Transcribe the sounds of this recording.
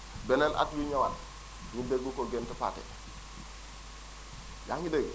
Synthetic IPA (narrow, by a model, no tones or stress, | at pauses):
bɛnɛnʔa̰tjuɲawan | ɲideɡukoɡentɛpa̰ːtɛ̰ | jaŋɡideɡ